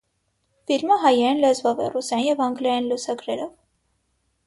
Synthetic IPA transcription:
filməɦɑjɛɛnlɛzvɔvɛ̰rusɑjinjɛvɑŋɡlɑjinlusɑɡɾɛɾɔv

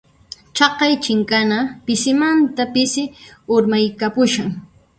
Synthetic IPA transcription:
t͡ʃɑqɑjt͡ʃɪŋkanapɪsɪmant̪apɪsɪʊɾmajkapʊʃaŋ

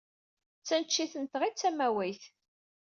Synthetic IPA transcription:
t͡sːænt͡ʃːiθənt̪ʁit͡sːæmæwæjθ

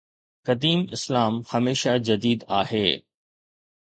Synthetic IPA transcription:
kɐd̪iːmɪslaːmhɐmeːʃad͡ʑɐd̪iːd̪aːɦeː

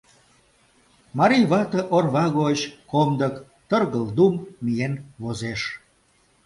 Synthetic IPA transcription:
mɑɾijβɑt̪ə̆ʔorβɑɣoət͡ɕkomd̪ək | t̪ərɣəld̪ummijenβozeʃ

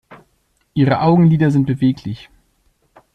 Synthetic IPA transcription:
ʔiːʁəʔaʊɡŋ̩liːdɐzɪnt̚b̥əveːkʰlɪç

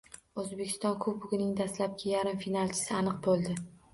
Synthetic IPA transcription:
ɵzbekʲʰɪ̥st̪ɒnkʰɵpʊɡʲɪnɪŋd̪ast̪lap̚ɡʲajaɾɪmfinalˠt͡ʃʰɪ̥sɪanɨqbolˠd̪ɪ

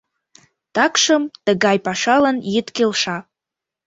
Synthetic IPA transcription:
takʰʂəmtaɡajpʼaʂalanjɪtkʲɪlʂa

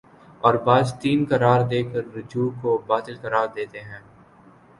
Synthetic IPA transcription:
ɔːɾbaːd͡ʒt̪iːnkɐɾaːɾd̪eːkəɾːʊd͡ʒuːkobaːt̪ɪlkɐɾaːɾd̪eːt̪eɦɛ̃ː

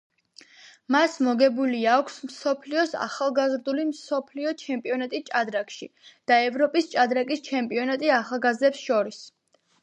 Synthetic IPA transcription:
masmɔɡɛbuliakʷʰsmsɔpʰliɔsa̰χalˠɡazɾd̪ulimsɔpʰliɔt͡ʃʰɛmpʼiɔnat̪ʼist͡ʃʼad̪ɾakʃḭd̪̥aɛvɾɔpʼist͡ʃʼad̪ɾakʼist͡ʃʰɛmpʼiɔnat̪ʼiaχalˠɡazd̪ɛpsʃɔɾis

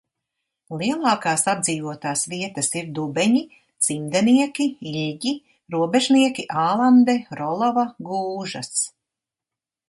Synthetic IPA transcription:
lˠiɛlˠɑːkɑːsabd̪ziːvuɔt̪aːsviɛt̪ɐsiɾd̪ubɛɲi | t̪z̥imd̪ɛniɛkʲiiʎʲɟi | ɾuɔbeʒniɛkiʔaːlˠand̪ɛɾɔlˠɔvaɡuːʒɐs

